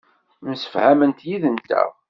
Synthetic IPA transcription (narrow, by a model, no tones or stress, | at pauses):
msə̥fhæmənt̪jiðənt̪æ̰